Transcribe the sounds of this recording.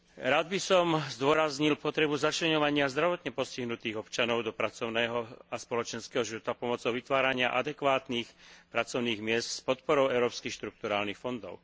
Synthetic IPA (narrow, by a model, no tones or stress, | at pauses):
ɾaːd̪bisɔmzd̪ʊɔɾazɲilpɔt̪ɾɛbuzat͡ʃlɛɲɔʋaɲɪazd̪ɾaʋɔt̪ɲɛpɔsciɦnut̪iːɣɔpt͡ʃanɔʊd̪ɔpɾat͡sɔʊnɛːɦɔaspɔlɔt͡ʃɛnskɛːɦɔʒiʋɔt̪apɔmɔt͡sɔʊʋit̪ʋaːɾaɲɪaʔad̪ɛkʋaːt̪niːxpɾat͡sɔʊniːɣmɪɛst̪spɔt̪pɔɾɔʊɛʊɾɔːpskixʃt̪ɾuk̚t̪uɾaːlnixfɔnd̪ɔ̰ʊ